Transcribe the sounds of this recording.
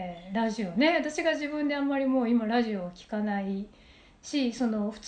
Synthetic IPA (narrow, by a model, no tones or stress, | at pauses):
ɾaʑio̞ne̞βat̪aɕiɡaʑibɯ̟̃nd̪e̞amːaɾʲimo̞ːimaɾaʑio̞ːkʲi̥kanai | ɕiso̞no̞ɸɯ̟̥t͡s